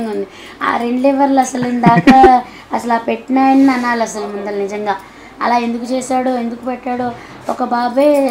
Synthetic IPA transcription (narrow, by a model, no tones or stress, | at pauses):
ŋɡaund̪i | a̰ːɾe̞ɳɖlɛːʋɐɾlɐsɐlend̪aːka | ɐsɐluaːpeʈːnɐjnːɐnːaːlɐsɐlumund̪ɐlnid͡ʒɐŋɡaː | ɐ̰laːend̪ukut͡ʃɛːsaːɽue̞nd̪ukupɛʈːaːɽu | ɔkɐbaːbeː